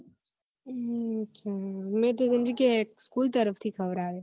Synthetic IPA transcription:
t͡ʃʰamẽːt̪ozɪ̃nd͡ʒikeeːk̚skuːlt̪ɐɾəft̪ʰikʰɐʋɾaːʋeː

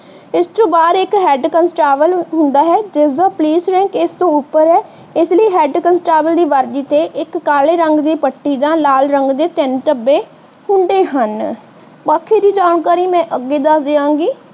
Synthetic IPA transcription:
ɪst̪õːbaːɾɪkɦɛːɖkənsʈaːʋəlɦʊ̃nd̪aːɦɛːd͡ʒɪsaːpəliːsɾɛ̃ːŋkɪst̪õːʊpːəɾɦɛː | ɪsləiːɦɛːɖkənsʈaːʋəld̪iːʋəɾd͡ʒiːt̪eːʔɪkːaːleːɾəŋɡd̪iːpəʈːiːd͡ʒãːlaːlɾəŋɡd̪eːt̪ɪnʈəbːeː | hʊɳɖeːɦən | paːkʰːeːd̪iːd͡ʒaːɳkaːɾiːmɛ̃ːʔəɡːeːd̪aːd̪eːãːŋɡiː

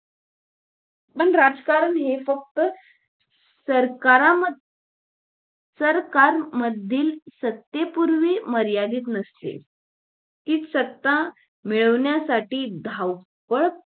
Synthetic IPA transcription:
pəɳɾad͡zkaɾənɦefək̚t̪ə | səɾkaɾaə | səɾkaɾməd̪ʱːiːlsət̪jepuɾʋiːməɾjad̪iːt̪nəst̪ḛ | t̪iːtsət̪ːa | miɭəʋɳjasaʈiːd̪ʱaw | pəɭ

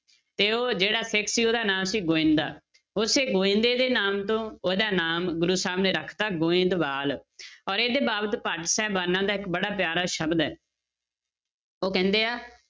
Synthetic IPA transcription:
t̪eːoːd͡ʒeːɽaːsɪkʰsiːoːd̪aːnaːmsiːɡoːɪ̃nd̪a̰ː | ʊseːɡoːɪ̃nd̪eːd̪eːnaːmt̪õːoːd̪aːnaːmɡʊɾuːsaːmneːɾəkʰt̪aːɡoːɪ̃nd̪baːlɔːɾeːd̪eːbaːbət̪pəʈsɛːbaːnãːd̪aːɪkbəɽaːpjaːɾaːʃəbd̪ɛː | oːkɛ̃ːnd̪eːaː

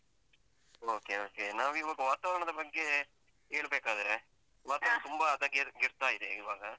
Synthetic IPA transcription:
oːkeːoːkeːnãːʋɪʋɐɡɐʋaːt̪aːɾɐɳɐðɐpɐkːe | eːɭɯpeːkːaːðɯɾɛ | ʋaːt̪ɐːt̪ʊmbaːɐðãːɡɡɪɾɯt̪ːaːɪɾɯḛɪʋaːɡɐ

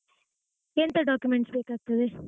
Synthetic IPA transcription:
ent̪ɐɖaːkjʊmɛɳʈspeːkaːk̚t̪ːɐðɯ

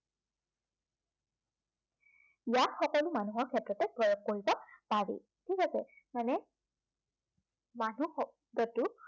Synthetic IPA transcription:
ijatxɔkɔlʊmanuɦɔɹkʰɛtɹɔtɛpɹɔjoɡ̚koɹibɔpaɹḭ | tʰikasɛ | manɛ | manux | dɔtu

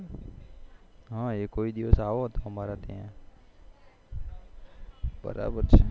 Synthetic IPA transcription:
ɦãːjekoːid̪iʋəsaːʋoɦot̪aɦɐmaɾat̪ḛɦɛ̃ː | bə̰ɾa̰ːbəɾt͡ʃʰe

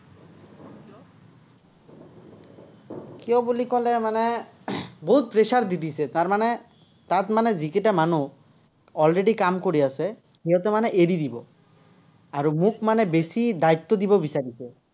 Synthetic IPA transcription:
kiɔbolikɔlemane | boɦut̪̚pɾeʃaɾd̪it̪isʰet̪aɾmane | t̪at̪maned͡ʑikiʈamanu | ɔlɾeɖikamkoɾiasʰe | ɦiɔt̪emaneʔeɾid̪ibɔ | aɾumukmanebesid̪ait̪ːod̪ibobisaɾisʰe

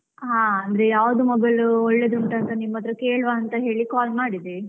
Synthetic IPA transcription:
ɦaːɐnd̪ɐɾe̞jaːʋɐd̪umɐɡɐɭuɔɭːed̪ɾuɳʈ̪ɐːnt̪ɐnimːɐt̪ːɾɐke̞ːɭʋaːɐnt̪ɐɦe̞ːɭikaːlmaːɽid̪e

